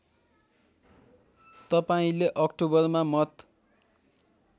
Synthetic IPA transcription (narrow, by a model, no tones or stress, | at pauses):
t̪ʌpaĩleʔʌkʈobʌrmamʌt̪